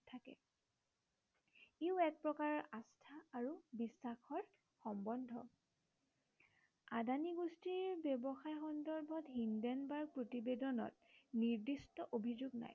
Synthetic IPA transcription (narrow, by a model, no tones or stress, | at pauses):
tʰakɛ̰ | eʊɛk̚pɹɔkaɹɔʔastʰaːɹubisːaxɔɹ | xɔmbɔndʱɔ | adʱaniɡustiɹbjebɔxajxɔndɔɹbʱɔtɦindɛnbaɹ̚pɹotibedɔnɔ̰t̚ | niɹdistɔʔobʱizoɡna̰j